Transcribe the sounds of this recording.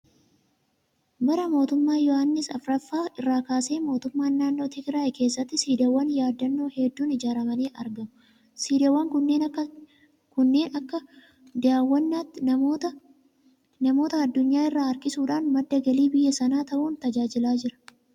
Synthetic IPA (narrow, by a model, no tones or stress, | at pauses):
bɐɾɐmo̞ːt̪ʊmːaːjɔhɐnːɪsɐfɾɐfːaːʔɪrːaːkaːse̞ːmo̞ːt̪ʊmːaːnːaːnːoːt̪ʰɪɡɪɾaːjkeːsːɐt̪ːɪsiːd̪ɐwːɐnjaːd̪ːɐnːo̞ːhɛd̪ːuːnɪd͡ʒaːɾɐmɐneːʔɐɾɡɐmʊ | siːd̪ɐwːɐŋkʊnːe̞ːnɐkːɐ | kʊnːe̞ːnɐkːɐ | d̪aːwːɐnːaːt̪ːɪɐ | nɐmo̞ːt̪ɐːd̪ːʊɲːaːɪrːaːɐɾkɪsuːᶑaːnmɐd̪ːɐɡɐliːbɪjːɐsɐnaːt̪ɐʔuːnt̪ɐd͡ʒaːd͡ʒɪlaːd͡ʒɪɾɐ̥